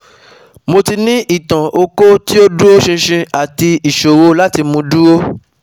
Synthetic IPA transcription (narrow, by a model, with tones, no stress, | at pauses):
mo˧ti˧nĩ˦ʔi˦˨tã˨ʔo˧ko˦ti˦o˦du˦o˦ʃĩ˧ʃĩ˧a˨ti˧i˨ʃo˨wo˧la˦ti˧mũ˧du˦o˦